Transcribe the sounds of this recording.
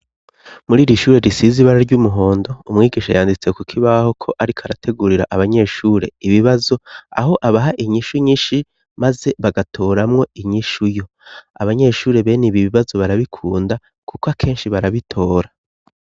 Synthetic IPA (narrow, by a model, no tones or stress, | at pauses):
muɾiːɾiʃuːɾe̞ɾisiziβaɾaɾɟumuɦo̞ːndo̞umŋiːɡiʃajaːndit͡se̞kukʰiβaho̞kʰo̞ʔaɾikʰaɾatʰe̞ɡuɾiɾa̰ʔaβaɲe̞ʃuːɾe̞̰iβiβazo̞a̰ho̞ʔaβaɦaʔiɲiʃuɲiːnʃi | maze̞βaɡatʰo̞ːɾamŋo̞iɲiʃujo̞ | a̰βaɲe̞ʃuːɾe̞βe̞niβiβiβazo̞βaɾaβikʰuːnda | kukwakʰe̞ːnʃiβaɾaβitʰo̞ːɾa